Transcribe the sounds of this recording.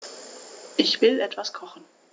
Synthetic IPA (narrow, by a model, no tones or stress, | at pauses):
ʔɪçv̥ɪlʔɛtv̥askʰɔχn̩